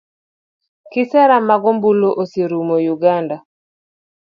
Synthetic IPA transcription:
kisɛɾamaɡɔmbuloʔoseɾumojuɡanda

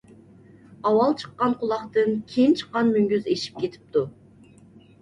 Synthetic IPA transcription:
ɑwɑlˠt͡ʃʰə̥qːɑnqʰʊlˠɑχt̪ɨnkʲʰejint͡ʃʰə̥qːɑnmyŋɡʲyzeʃi̥p̚kʲet̪ʰɪ̥p̚t̪u

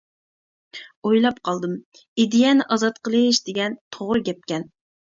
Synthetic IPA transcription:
ojlˠɑp̚qʰɑlˠd̪ɨm | id̪ijɛnɪʔɑzɑt̪qəlˠɨʃd̪ɪɡʲɛnt̪ʰoʁɾɨɡʲɛp̚kʲɛn

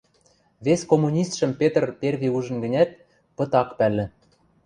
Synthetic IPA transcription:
βesʲkomːunʲist̪ʃə̆mpʲet̪̆rpʲervʲiuʒɤ̆nɡɘ̆nʲæt̪̚ | pɤ̆t̪ɑkpælʲːɘ̆

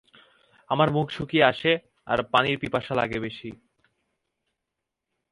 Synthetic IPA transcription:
amaɾmukʃʰukieaʃe | a̰ɾpaniɾpipaʃala̰ɡebeʃi

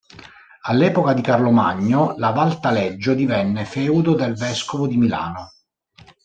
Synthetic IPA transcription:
alːɛːpokad̪ikarloma̰ɲːolavalt̪alɛd͡ʒːod̪ivɛnːefɛːud̪od̪elvɛskovod̪imila̰ːno

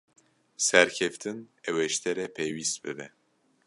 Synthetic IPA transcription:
sɛɾkʰɛft̪ʰɨnɛwɛʃt̪ʰɛɾɛpʰejwist̪̚bɨbɛ

